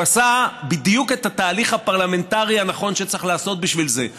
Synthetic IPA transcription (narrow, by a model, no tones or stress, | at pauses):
asabid̪juke̞tat̪aːliχhapaʁlame̞ntaʁianaχo̞nʃet͡saχlaːso̞t̪̚biʃvilze̞